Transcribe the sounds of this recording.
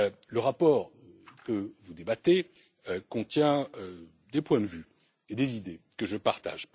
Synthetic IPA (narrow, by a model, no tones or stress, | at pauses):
ləʁapɔːʁ | kəvud̪ebat̪e | økɔ̃t̪jɛ̃ø | d̪epwɛ̃d̪vy | ed̪ezid̪ekəʒəpaʁt̪a̰ʒ